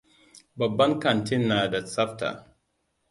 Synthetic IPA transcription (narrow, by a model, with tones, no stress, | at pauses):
ba˨bːa˦nka˨nti˦nːa˨da˨sa˦fta̰˨